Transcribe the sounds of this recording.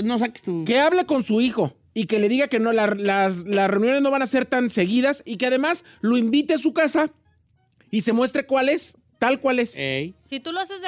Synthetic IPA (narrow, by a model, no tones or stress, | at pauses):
nos̬ake̥st̪uke̞aβle̞ko̞nsuixo̞ | ike̞le̞ðiɣake̞nolalaslasre̞unjone̞zno̞βanase̞ɾt̪anse̞ɣiðasike̞að̞e̞mas | lo̞imbit̪eas̬ukasa | ise̞mwe̞st̪ɾe̞kwale̞s | t̪alkwale̞sejsit̪uloase